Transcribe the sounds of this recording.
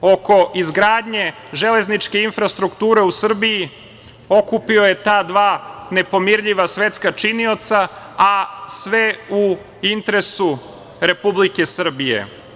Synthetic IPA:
o̞ko̞ʔizɡɾaːd̪ɲe̞ | ʒe̞le̞znit͡ʃke̞infɾast̪ɾukt̪uːɾe̞usr̩bii | o̞kupio̞je̞t̪aːd̪ʋaːne̞po̞miɾʎiʋasʋe̞t̪skat͡ʃinio̞t̪sa | asʋe̞u | int̪eɾesu | ɾe̞publike̞sr̩bijḛ

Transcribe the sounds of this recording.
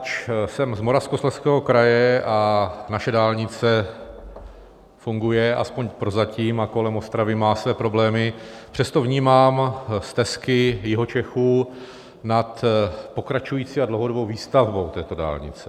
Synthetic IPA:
t͡ʃsɛmzmo̞ɾafskoslɛskɛːɦo̞kɾajɛanaʃɛdaːlɲɪt͡sɛ | fuŋɡujɛʔa̰spo̞ɲpɾozaciːmako̞lɛmo̞st̪ɾavɪmaːsvɛːpɾo̞blɛːmɪpr̥ɛst̪o̞vɲiːmaːmst̪ɛskɪjɪɦot͡ʃɛxuː | nat̪po̞kɾat͡ʃujiːt͡siːadlowɦodobo̞wviːst̪avbowt̪ɛːt̪o̞da̰ːlɲɪ̰t͡sɛ̥

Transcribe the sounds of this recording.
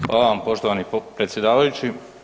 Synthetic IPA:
xʋa̰ːlaʋampo̞ʃt̪oʋaːnipɾet̪sjed̪aːʋajut͡ɕi

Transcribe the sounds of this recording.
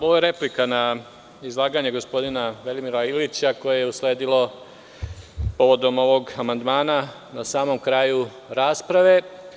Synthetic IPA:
oʋojeɾe̞plikana | izlˠaːɡaɲeɡo̞spo̞d̪inaʋelimiɾailit͡ɕako̞jejeusle̞ːd̪ilo̞ | po̞ʋo̞d̪o̞mo̞ʋo̞ɡamand̪maːna | nasaːmo̞mkɾaːju | ɾaːspɾaʋe̞

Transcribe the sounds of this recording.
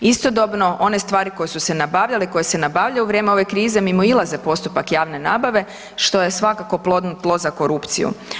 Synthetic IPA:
ist̪o̞d̪obno̞ʔo̞ne̞st̪ʋaːɾikojesuse̞nabaːʋʎaleko̞jese̞nabaʋʎauʋɾje̞ːmeo̞ʋe̞kɾiːze̞mimo̞ilˠaze̞po̞st̪upakjaːʋne̞naːbaʋe̞ | ʃt̪o̞je̞sʋakako̞plˠo̞d̪nut̪lˠo̞zako̞ɾupt̪sḭjṵ

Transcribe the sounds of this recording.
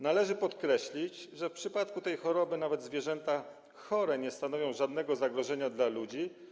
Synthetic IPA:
nalɛʐɘpɔt̪kɾɛɕlʲit͡ɕʐɛfpʂɘpat̪kut̪ɛjxɔɾɔbɘnavɛd̪zvʲjɛʐɛnt̪a | xɔɾɛɲɛst̪anɔvʲjɔ̃w̃ʐad̪nɛɡɔzaɡɾɔʐɛɲad̪lalud͡ʑi

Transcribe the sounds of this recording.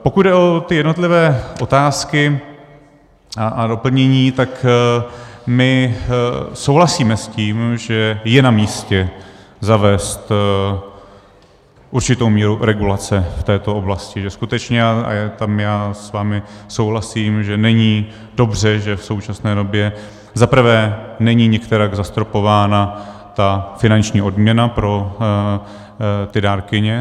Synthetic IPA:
po̞kud̪dɛʔo̞t̪ɪjɛdno̞t̪lɪvɛːʔo̞t̪aːskɪ | ado̞pl̩ɲɛɲiːt̪ak | mɪ | sowɦlasiːmɛsciːmʒɛjɛnamiːscɛ | zavɛːst̪ | ʔuɾt͡ʃɪt̪owmiːɾuɾɛɡulat͡sɛft̪ɛːt̪o̞o̞blascɪʒɛskut̪ɛt͡ʃɲɛa̰jat̪amjaːsvaːmɪsowɦlasiːmʒɛnɛɲiː | do̞br̝ɛʒɛfso̞wt͡ʃasnɛːdo̞bjɛ | zapɾ̩vɛːnɛɲiɲɛkt̪ɛɾaɡzast̪ɾo̞po̞vaːna | t̪afɪnant͡ʃɲiːʔo̞dmɲɛnapɾo̞ | t̪ɪdaːɾkɪɲɛ

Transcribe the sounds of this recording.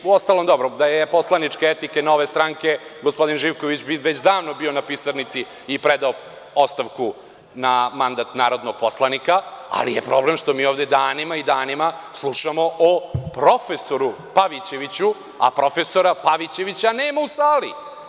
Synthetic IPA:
uost̪alˠomd̪obɾod̪ajepo̞slˠanit͡ʂkeet̪ikeno̞ʋest̪ɾaŋke̞ɡospo̞d̪inʒiʋkoʋit͡ɕbiʋet͡ɕd̪aːʋnobio̞napisaɾnit̪siː | pɾed̪ao | o̞st̪aʋku | namand̪at̪naːɾo̞d̪noɡ̥̚poslˠanikaa̰lḭjepɾo̞blemʂt̪omiːoʋvd̪e̞d̪aːnimaid̪aːnimaslˠuʃamoʔopɾo̞fesoɾu | paʋit͡ɕeʋit͡ɕu | a̰pɾo̞fesoɾapaʋit͡ɕe̞ʋit͡ɕaneːmausaːli

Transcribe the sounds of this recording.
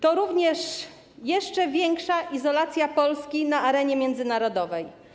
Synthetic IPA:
t̪ɔɾuvɲɛʂ | jɛʂt͡ʂɛvʲjɛŋkʂaʔizɔlat̪sʲjapɔlskʲinaaɾɛɲɛmʲjɛnd̪zɘnaɾɔd̪ɔvɛj

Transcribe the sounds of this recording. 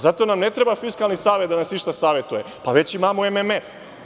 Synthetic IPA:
zat̪o̞namne̞t̪ɾebafiskalˠnisaːʋe̞t̪̚d̪anasniʃt̪asaːʋe̞t̪uje̞ | paʋe̞t͡ɕimamoememef

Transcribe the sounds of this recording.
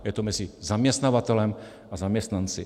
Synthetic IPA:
jɛt̪ɔmɛd͡zizamɪɛst̪naːʋat̪ɛlɛm | azamjɛst̪nant͡sḭ

